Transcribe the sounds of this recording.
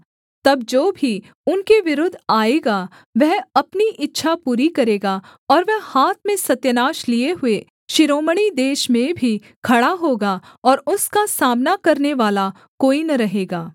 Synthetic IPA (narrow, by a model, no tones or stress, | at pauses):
t̪ɐbd͡ʒoːbʱi | ʊnkeʋɪɾʊd̪ʱaːeːɡa | ʋɛɦɐpniʔɪtːʃʰapuːɾikɐɾeːɡaɔːɾʋɛɦhaːt̪̚ʰmẽsɐt̪jənaːʃlieɦʊe | ʃɪɾoːməɽ̃id̪eːʃmẽbʱi | kʰɐɽaɦoːɡaɔːɾʊskasaːmnakɐɾneʋaːla | koːinɐɾɐɦeːɡaː